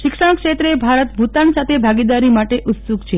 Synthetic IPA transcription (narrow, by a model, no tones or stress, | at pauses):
ʃɪkʂə̃kʃet̪ɾebʱaɾət̪bʱut̪ansat̪ʰebʱaɡid̪aɾimaʈeʔʊt̪suɡt͡ʃʰe